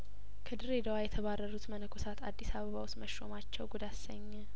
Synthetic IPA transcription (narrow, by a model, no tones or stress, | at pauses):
kʰəd̪ɨɾed̪əwajɛt̪ʰəβarːəɾut̪mənəkʰosat̪a̰d̪ːisaβəβawʊst̪məʃːo̞̰mat͡ʃːɛwɡud̪asəɲːɛ